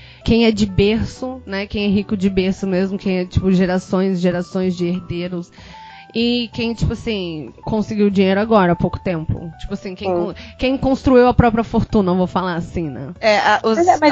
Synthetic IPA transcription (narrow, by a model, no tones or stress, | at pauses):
kẽj̃ɛd͡ʒɪbeɾsʊnɛkẽj̃ɛɦikʊd͡ʒɪbeɾsʊmezmʊkʰẽj̃ɛt͡ʃi̥pʊʒeɾasõj̃zʒeɾasõj̃zd͡ʒɪeɾd̪eɾʊs | ɪkẽj̃t͡ʃi̥pʊasĩkõsɪɡiwd͡ʒĩɲejɾʊaɡɔɾɐapowkʊ̥t̪ẽmpʊ̰t͡ʃi̥pʊasĩkẽj̃kõkẽj̃kõst̪ɾuiwɐpɾɔpɾiɐfoɾt̪ũnɐvowfalaɾasĩnɛ̰̃ɛaʔʊsɛ